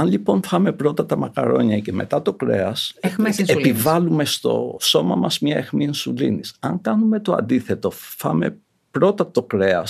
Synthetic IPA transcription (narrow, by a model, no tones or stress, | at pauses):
ɐnʎipo̞nfɐme̞pɾo̞t̪ɐt̪ɐmɐkɐ̰ɾo̞̰ɲɐce̞me̞̰t̪ɐt̪o̞kɾe̞̰ɐsxiepivɐlume̞st̪o̞̰so̞mɐ̰mɐzmɲɐe̞xminsulḭnisɐŋkɐnume̞t̪oɐ̰nd̪iθet̪o̞fɐ̰me̞̰ | pɾo̞t̪ɐt̪o̞kɾeɐs